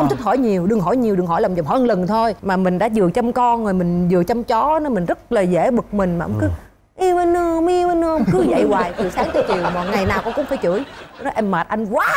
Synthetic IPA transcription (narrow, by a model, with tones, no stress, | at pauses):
xə˧ŋ͡mt̪ʰi˦˥t̚hɔ˧˩˦jɲi˨˩əwɗɨ˨˩ŋɦɔ˧˩˦jɲi˨˩wɗɨ˨˩ŋɦɔ˧˩jla˨˩ŋ͡mzhɔ˧˦ʔnlə˨˩nt̪ʰo˧jmaː˨˩mï˨˩ŋ̟ɗa̰ː˧˥zɨ˨˩ət͡ɕɔ˧ŋ͡mkɔ˧nzoː˨˩jmï˨˩ŋ̟zɨ˨˩ət͡ɕɔ˧wŋ͡mt͡ɕɔ˨˦nɔ˧˦mï˨˩ŋ̟zə˦˥t̚laː˨˩zḛ˧˩ɓɨ˨˩k̚mï˨˩ŋ̟maː˨˩ʔŋ͡mkɨ˨˦ | ʔi˧wə˧nɨ˧wŋ͡mʔi˧wə˧nɨ˧ʔə˧wŋ͡mkɨ˨˦zə̰˧˨jwaː˧˨˩jk̪ɨ˨˩saː˨˦ŋt̪ɨ˧t͡ɕḭ˨˩əwmɔ̰˨˩ŋa˨˩jnaː˨˩wkʊ˧ŋ͡mkʊ̰˧˥ŋ͡mfaː˧˩˦jt͡ɕɨ˧˩ə˦jnɔ˨˦ʔɛ˧mːaː˨˩t̚ʔa˧jŋ̟kwaː˨˦